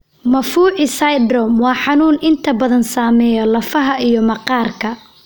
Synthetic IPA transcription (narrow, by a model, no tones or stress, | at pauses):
mɐfuːʕɪsajd̪ɾɔmwɑːħɑnuːnɪnt̪ʰɐbɐðɐnsaːmɛːjɔlɐfɐɦɐʔijɔmɐqɑːrkʰɐ